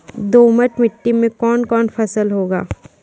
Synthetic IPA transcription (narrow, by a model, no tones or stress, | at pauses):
d̪oːməʈmɪʈːimẽkɔːnkɔːnpʰɐsəlɦoːɡa̰ː